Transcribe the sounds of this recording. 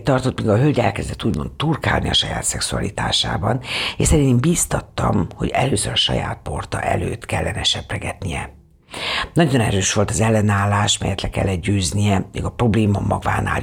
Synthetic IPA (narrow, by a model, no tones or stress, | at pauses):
t̪ɒrt̪o̞t̪miːɡɒɦølɟɛlkɛzd̪ɛt̪ːuːɟmo̞̰nt̪ːurka̰ːlniɒʃɒjaːt̪sɛksuɒ̰lit̪aːʃa̰ːbɒneːʃsɛɾiembiːst̪ɒt̪ːɒmho̞ɟɛløːsøɾɒʃɒ̰ja̰ːt̪̚po̞rt̪ɒʔɛ̰løːt̪kɛlːɛnɛʃɛprɛɡɛt̪nijɛ | nɒɟo̞nɛɾøːʃʋo̞lt̪ɒzɛlːɛnaːlːaːʃmɛjɛt̪lɛkɛ̰lːɛt̪̚ɟøːznijɛmḛːɡɒpro̞bleːmɒmːɒɡvaːna̰ːl